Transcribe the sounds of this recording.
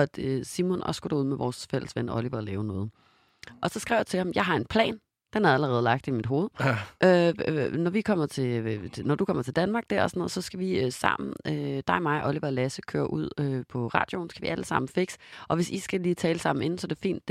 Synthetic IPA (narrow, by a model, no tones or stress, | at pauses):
d̥øsimɔnɒ̽sɡ̥uɾ̥euð̞̰ˠmeʋɒ̰ːsfel̰əsʋenʔɒ̽liʋælɛːʊnɔ̽ːð̩ˠ | ʔɒ̽sɒ̽sɡ̥ʁɛ̰ʊjɑt͡sʰe̝lhɑ̈m̩jɑ̈ɪɦɑ̈e̝npʰlɛ̰ːn | d̥enæɐæləʁɛːð̞ˠlɑ̈ɡ̥̚d̥imid̥ɦo̝ːð̞̩ˠʔønɒʋikʰɒ̽m̰ɐt͡sʰe̝nɒd̥ukʰɒ̽m̰ɐt͡sʰe̝ld̥ænmɑ̈ːɡ̥̚d̥æɐ̰ɒsɔnɔːðˠsɒ̽sɡ̥æʋiøsɑ̰̈m̰n̩ød̥ɑ̈ɪmɑ̈ɪʔɒ̽liʋælæsəkʰøːɐʔuð̞̰ˠøpʰɒ̽ʁɑ̰̈ːd̥jo̝ːn̩sɡ̥æʋiæləsɑ̈m̰n̩fe̝ɡ̥sʔɒ̽ʋe̝sisɡ̥æliːt͡sʰɛːləsɑ̈m̰n̩e̝nn̩sɒ̽d̥efḭːnd̥